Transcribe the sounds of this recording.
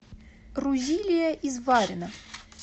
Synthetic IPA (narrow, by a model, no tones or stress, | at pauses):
rʊzʲilʲɪjəʔizvaɾʲɪnə